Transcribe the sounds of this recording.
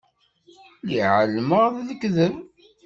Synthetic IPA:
liʕəlməʁððəkːðəm

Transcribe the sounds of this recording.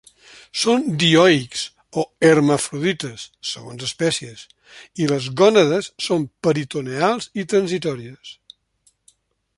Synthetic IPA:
sond̪iɔiks | oərməfɾuðit̪əsːə̰ɣo̰nzəspɛsiəs | iləzɣɔnəðəsːompəɾit̪unealˠzit̪ɾənzit̪ɔɾiəs

